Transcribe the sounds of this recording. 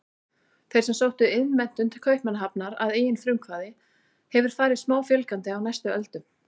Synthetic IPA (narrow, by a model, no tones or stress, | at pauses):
θejɾ̥sɛmsowht̪ʏɪðmɛn̥t̪ʏnt̪ʰɪl̥kʰœɥhpmɛnːaɦapnaɾa̰ðeːjɪnfɾʏŋkʰvaːðɪ | hɛvʏɾ̥faːɾɪðsmaːwfjɛlkant̪ɪawnajst̪ʏœlt̪ʏm